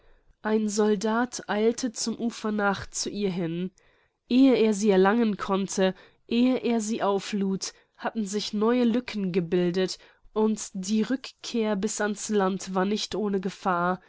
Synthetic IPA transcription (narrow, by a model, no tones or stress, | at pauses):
ʔaɪnzɔldaːtʰʔaɪltʰət͡sʊmʔuːfɐnaːχt͡suʔiːɐɦɪn | ʔeːəeːɐziːɛɐlaŋənkʰɔntʰə | ʔeːəʔeːɐziːʔaʊfluːt | hatn̩zɪçnɔʏəlʏkʰn̩ɡəbɪldət | ʔʊntd̥iːʁʏkkʰeːɐbɪsanslantv̥aːɐnɪçtʔoːnəɡəfaːɐ